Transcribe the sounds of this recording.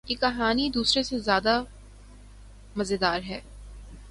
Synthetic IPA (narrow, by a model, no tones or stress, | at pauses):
jikɐɦaːnid̪uːsɾesezjaːd̪a | mɐzed̪aːɾɦɛː